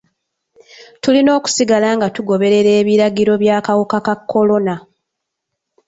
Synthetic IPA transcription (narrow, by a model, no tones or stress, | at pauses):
tulino̞ːku̥siɡalaːŋɡatuɡo̞βe̞ɾe̞ɾe̞ːβiɾaɡiɾo̞βjaːkawukakakʰːo̞lo̞na